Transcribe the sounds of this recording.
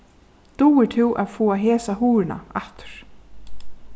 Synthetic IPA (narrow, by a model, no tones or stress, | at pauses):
t̪uːɪt̪ʰɪwʔa̰ðfɔːaɦeːsaɦuːɾɪna̰aht̪ʊ̥ɾ̥